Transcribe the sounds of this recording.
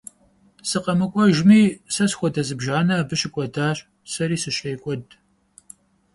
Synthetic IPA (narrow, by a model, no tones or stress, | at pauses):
sɨqɐmɨkʷʼɔʒmiːsɐsxʷɔdɐzɨbʒaːnɐːbɨɕɪkʷʼɔdaːɕʼ | sɐɾiːsɨɕʼejkʷʼɔd